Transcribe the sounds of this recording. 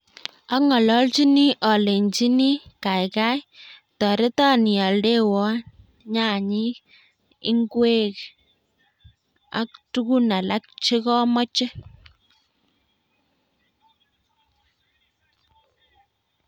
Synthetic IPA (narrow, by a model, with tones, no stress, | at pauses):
a˦ŋɔ˨lɔ˦lt͡ʃi˦ni˦ʔɔ˨le˨nt͡ʃi˦ni˦ka˨jka˦jtɔ˨ɾe˦tɔ˦ni˨a˨lde˦wɔ˦ | ɲa˦˨ɲi˦ | ɪ˦ŋɡwe˦k | a̰˨k̚tu˦ku˦na˨la˦k̚t͡ʃe˦kɔ˦mɔ˦t͡ʃe˦